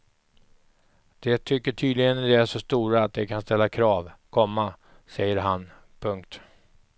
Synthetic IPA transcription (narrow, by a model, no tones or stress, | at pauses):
d̪̥ɛt̪ʰʏkːəʈʰyːd̪lɪɡənd̪ɛæʂɔst̪uːɾaːt̪̚d̪ɛkʰanst̪ɛlːakʰɾɑːvkʰɔmːa | sɛjːəɾɦan | pʰɵŋk̚t̪